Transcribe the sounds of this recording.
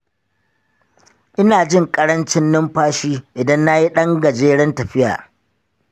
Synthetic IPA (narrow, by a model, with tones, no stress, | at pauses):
ʔɪ˦naː˨d͡ʒɪ˦˨ŋkʼɐ˦ɽɐ˦nt͡ʃɪ˦nːɪ˦mɸaː˦ʃiː˦ʔɪ˨dɐ˦nːa˦ji˦ɗɐ˦ŋɡɐ˨d͡ʒeː˦ɽɛ˦ntɐ˨ɸɪ˦ja̰ː˨